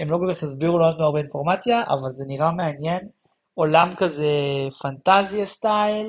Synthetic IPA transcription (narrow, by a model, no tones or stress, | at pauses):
emlo̞kolkaχezbiʁuloanat̪nuaʁbeinfo̞ʁmat͡sjaʔa̰valze̞niʁameanje̞n | o̞lamkaze̞fant̪aziast̪ajl